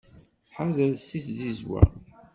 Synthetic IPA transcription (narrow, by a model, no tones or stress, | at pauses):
ħaðəðsiθzizwæ̰